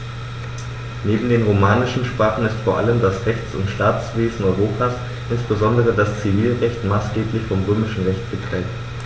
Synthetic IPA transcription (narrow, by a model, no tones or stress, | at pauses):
neːbm̩deːnʁomaːnɪʃn̩ʃpʁ̥aːχn̩ɪstfoːɐʔa̰ləmdasʁɛçt͡sʊ̰ntʃtaːt͡sv̥eːzn̩ɔʏʁ̞oːpʰaːs | ʔɪnsb̥əzɔndəʁ̞ədast͡siviːlʁɛçtmaːsɡ̥eːplɪçfɔmʁøːmɪʃn̩ʁɛçtɡ̥ətʁ̥ɛːt